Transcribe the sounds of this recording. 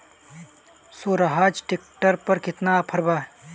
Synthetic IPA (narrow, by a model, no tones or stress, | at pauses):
suɾɐɦaːd͡ʒʈik̚ʈəɾpəɾkɪt̪napʰɐɾbaː